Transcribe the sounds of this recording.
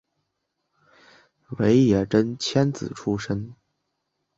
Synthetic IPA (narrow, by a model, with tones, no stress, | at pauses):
we˧˥ɪjɛ˨˩ʈ͡ʂə˥nt͡ɕʰjɛ˥nt͡sɹ̩˨˩ʈ͡ʂʰu˥ʂə˥ŋ